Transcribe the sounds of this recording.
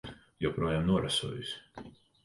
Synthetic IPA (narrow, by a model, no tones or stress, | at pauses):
jopɾuɔjaːmnuɔɾasṵɔjus